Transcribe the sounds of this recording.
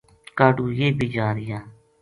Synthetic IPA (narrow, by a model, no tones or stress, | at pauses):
kaːɖuːjeːbiːd͡ʒaːɾɪjãː